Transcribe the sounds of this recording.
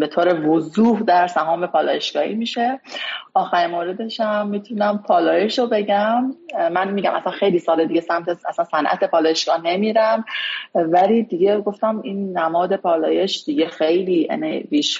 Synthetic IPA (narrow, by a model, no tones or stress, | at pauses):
be̞t̪ʰoːɾe̞vozuːhd̪æɾsæɦɒːme̞pʰɒːlɒ̰ːje̞ʃɡ̥ɒːhḭmiːʃe̞ʔɒːxæɾimoːɾe̞d̪e̞ʃæmːiːt̪ʰunæmpʰɒːlɒːje̞ʃobe̞ɟæmːænmiːɟæmʔæ̰sænxe̞jliːsɒːled̪iɟesæmt̪ʰeæ̰sænsænʔæ̰t̪ʰe̞pʰɒːlɒːjeʃɡ̥ɒːne̞miːɾæmvæliːd̪iɡe̞ɡo̞ft̪æmiːnːæmɒːd̪e̞pʰɒːlɒ̰ːje̞ʃd̪̥iɟe̞xe̞jliːḛneviːʃ